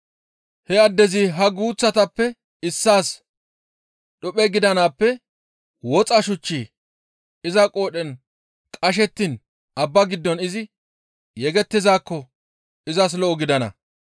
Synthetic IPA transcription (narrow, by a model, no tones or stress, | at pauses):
hɛɐd̪ːɛziɦɐɡuːt͡sːɐt̪ɐpːɛ | ɪsːaːs | ɗʊpʼɛɡɪd̪ɐnaːpːɛ | wɔt͡sʼɐʃʊt͡ʃːiː | ɪzɐkʼo̞ːɗɛn | kʼɐʃ̬ɛt̪ːiːn | ʔɐbːɐɡɪd̪ːɔnɪzɪ | jɛɡɛt̪ːɪzaːkːɔ | ɪzɐs̬lɔʔɔɡɪd̪ɐnɐ̰